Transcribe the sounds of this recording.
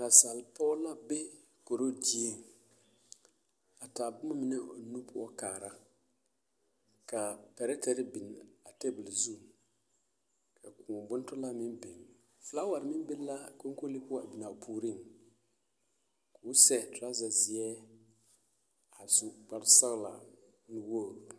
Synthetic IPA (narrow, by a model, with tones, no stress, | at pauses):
na˨sa˨lpɔ˦la˦be˦ | ko˨ɾo˦di˦e˦ | a˨ta˨bʊ˦ma˦mɪ˨nɛ˦˨nu˦pʊ˦ɔ˦kaː˨ɾa˦ | ka˨pɛ˨ɾɛ˦tɛ˨ɾɪ˦bi˨n˨a˨te˦bɪ˨lzu˦˨ | kʰa˨kʰu˨bʊ˦n˦tʊ˦la˦mɪ˦mbɪ˨ŋ | fla˦wa˨ɾmɪ˦m˦bɪ˦la˦ko˦ŋ˦ko˦li˦pʊ˦ɔ˦a˨bi˨na˨pʰuː˨ɾi˦˨ŋ | ka˨ʊ˦sɛ˦tʊ˨la˦za˨zɪ˨ɛ˦ | a˨zʊ˨ɡ͡ba˨ɾsa˦ɣla̰˨ | nʊ˨wo˦˨